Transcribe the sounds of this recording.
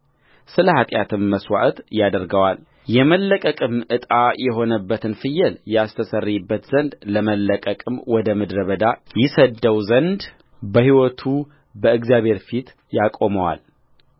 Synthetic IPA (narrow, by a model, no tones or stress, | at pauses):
sɨləhat̪ʼjat̪ʰɨmːəswa̰ʔt̪jad̪əɾɡəwal | jɛməlːəkʼəkʼɨmɨt̪ʼajɛɦo̞nəbːət̪ʰɨnfɨjːɛljast̪ʰəsərːibːət̪z̥ənd̪ləməlːəkʼəkʼɨmwɔd̪əmɨd̪ɾəβəd̪ajɪsəd̪ːəwzənd̪ | bəhiwɔt̪ʰu | bəɨɡzjaβhe̞ɾfit̪ | jakʼoməwa̰l